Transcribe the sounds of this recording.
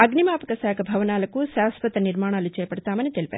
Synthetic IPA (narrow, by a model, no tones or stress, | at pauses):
ɐɡnimaːpɐkɐsaːkʰɐbʱɐʋɐnaːlɐkusaːsʋɐt̪ɐniɾmaːɳaːlut͡ʃɛːjɐpɐɽt̪aːmɐnit̪elipa̰ːɾ